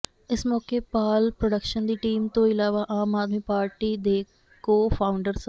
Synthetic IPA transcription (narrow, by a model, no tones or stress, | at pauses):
ɪsmɔːkepaːlpɾəɖəkʃənd̪iːʈiːmt̪õːɪlaːʋaʔaːmaːd̪miːpaːɾʈiːd̪eː | koːpʰaːʊɳɖəɾs